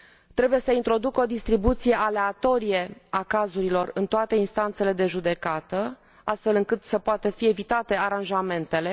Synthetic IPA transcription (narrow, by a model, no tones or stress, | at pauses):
t̪ɾe̞buje̞səint̪ɾo̞d̪ukəo̞d̪ist̪ɾibut̪sije̞ʔale̞at̪o̞ɾije̞akazuɾilo̞rɨnt̪oat̪e̞inst̪ant̪se̞le̞d̪e̞ʒud̪e̞kat̪ə | ast̪fe̞lɨŋkɨt̪səpoat̪əfie̞vit̪at̪e̞aɾanʒame̞nt̪e̞le̞